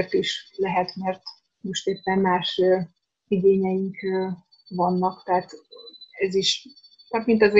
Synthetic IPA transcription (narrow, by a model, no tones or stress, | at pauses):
rt̪iʃlɛɦɛt̪mɛrt̪ | mo̞ʃt̪eːpːɛmmaːʃ | iɡeːɲɛjiŋkː | vɒnːɒkt̪ɛɦat̪ɛziʃt̪ɒt̪mint̪ɒz